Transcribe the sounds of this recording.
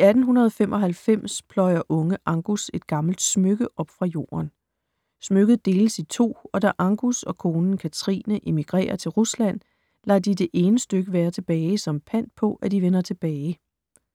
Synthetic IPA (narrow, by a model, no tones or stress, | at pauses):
iæd̥n̩ɦunɐð̞ˠɒfem̰ʔɒ̽ɦælfem̰spʰlɒ̽ɪɐʔɔ̽ŋəʔɑ̈ŋɡ̥use̝d̥̚ɡ̥ɑ̈ml̩d̥smøɡ̥əʔɒ̽b̥fʁɑ̈jo̝̰ːɐn | smøɡ̥ð̞̩ˠd̥e̝ːləsit͡sʰo̝̰ːɒ̽d̥æʔɑ̈ŋɡ̥usɒ̽kʰo̝ːnn̩kʰæt͡sʰʁḭːnəʔe̝miɡ̥ʁḛːɐt͡sʰe̝lʁuslæn̰ | læ̰d̥id̥e̝ʔe̝ːnəsd̥øɡ̥əʋæːɐt͡sʰe̝b̥ɛːɪsɒ̽mpʰæn̰̥̚pʰɒ̽ʔæd̥iʋenɐt͡sʰe̝b̥ɛːɪ